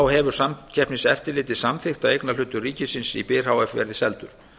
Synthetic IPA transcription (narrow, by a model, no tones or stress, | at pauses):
awɦɛvʏɾ̥samcʰɛhpnɪsɛft̪ɪlɪːt̪ɪsamθɪxt̪aejknalʏːt̪ːʏriːcɪsɪnsipɪːr̥hawɛfvɛ̰ɾɪsɛlt̪ʏɾ̥